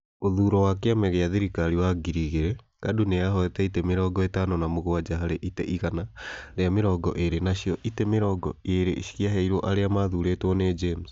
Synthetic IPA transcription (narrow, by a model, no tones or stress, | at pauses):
oðuɾɔwakeamɛɣeaðiɾikaɾiwaɡiɾiɣeɾe | kaduneaɦɔɛtɛitemeɾɔɡɔetanɔnamoɣoad͡ʒaɦaɾeʔitɛʔiɣanaɾeameɾɔːɡɔʔeɾenaʃiɔʔitemeɾɔɡɔ̰eɾeʃi̥ɣiaɦɛiɾɔʔaɾeamaðuɾetwɔned͡ʒems